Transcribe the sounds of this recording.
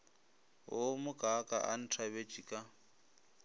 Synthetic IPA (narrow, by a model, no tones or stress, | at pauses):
ɦʊmʊkʼakʼa̰ʔan̩tʰabet͡ʃʼikʼa